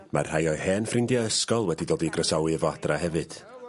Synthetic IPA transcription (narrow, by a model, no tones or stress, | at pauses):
ma̰r̥hajɔɨhɛːnfrɪndjaəskɔlˠwɛdidoːdiɡrəsawɨvadrahɛvɨd̥